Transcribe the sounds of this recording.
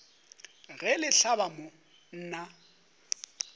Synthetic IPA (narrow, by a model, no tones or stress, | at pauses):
ɣɛlɪɬabamʊ | n̩ːna